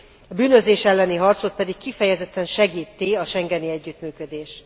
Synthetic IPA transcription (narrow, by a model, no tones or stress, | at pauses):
ɒbyːnø̞zeːʃɛlːɛniɦɒrt̪sot̪̚pɛd̪ikːifɛjɛzɛt̪ːɛnʃɛɡiːt̪ːiɒʃɛŋɡɛniɛɟːyt̪myːkød̪eːʃ